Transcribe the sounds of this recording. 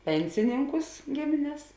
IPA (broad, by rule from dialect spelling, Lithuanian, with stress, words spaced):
ˈpʲɛnʲsʲɪnʲɪŋkʊs ˈɡʲɪmʲɪnʲɛs